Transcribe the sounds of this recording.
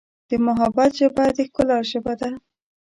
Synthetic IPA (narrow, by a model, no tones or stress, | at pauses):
d̪̥əmʊɦabat̪ʒəbad̪əxkəlaʒəbad̪a